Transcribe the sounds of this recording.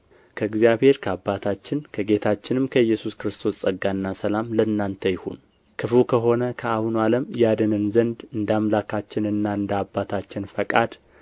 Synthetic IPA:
kʰəɨɡzijaβhe̞ɾkʰəabːat̪ʰat͡ʃːɪnkʰəɡe̞t̪ʰat͡ʃːɪnɨmkʰəjːɛsuskɾɨst̪ʰo̞ssʼəɡanːasəlamləɨnːant̪ʰəjɪhṵn | kʰɨfukʰəɦo̞nəkʰəahunaləmjad̪ənɨnzənd̪ɨnd̪amlakʰat͡ʃːɪnɨnːaɨnd̪abːat̪ʰat͡ʃːɪnfəkʼad̪

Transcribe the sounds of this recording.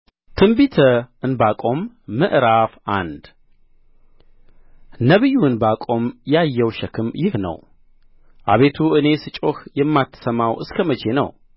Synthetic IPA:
t̪ʰɨmbit̪ʰəɨnbakʼo̞mː | ɨʔɾafa̰nd̪ | nəβijːuɨnbakʼo̞mjajːɛwʃɛkʰɨmjɪhnə̰w | ʔa̰βe̞t̪ʰuɨne̞sɨt͡ʃʼoxjɛmːat̪ʰːɨ̥səmawʔɨskʰəmət͡ʃʰe̞nə̰w

